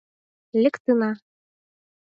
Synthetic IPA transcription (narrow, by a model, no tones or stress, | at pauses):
lʲɘ̆kt̪ɯnɑ